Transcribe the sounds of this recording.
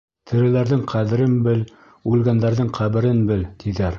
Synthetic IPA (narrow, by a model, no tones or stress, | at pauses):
t̪ʰɘ̆ɾɘ̆læɾðɘŋqʰæðɘ̆ɾɘnbɘl | ʉlɡænd̪æɾðɘŋqʰæβɘ̆ɾɘnbɘlt̪ʰiðæɾ